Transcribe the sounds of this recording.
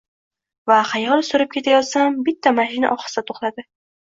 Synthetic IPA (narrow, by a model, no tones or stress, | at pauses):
vaqʰɑjlˠsʊɾɪp̚kʲʰe̞t̪ʰajɒt̪sambɪt̪ʰːamaʃɪna̰ʔɒχɨ̥sɪd̪at̪ʰoχlˠad̪ɪ